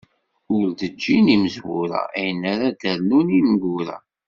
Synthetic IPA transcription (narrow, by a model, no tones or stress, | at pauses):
ʊɾd̪əd͡ʒːiniməzwuɾa̰æjənːaɾad̪əɾnunimɡuɾa̰